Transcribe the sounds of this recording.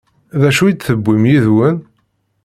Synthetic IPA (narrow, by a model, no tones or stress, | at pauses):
ðæʃujit͡s̪θəbːimjiðwən